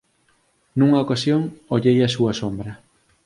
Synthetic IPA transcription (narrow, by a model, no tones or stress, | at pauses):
nuŋɐokasjoŋoʎejasuɐsombɾɐ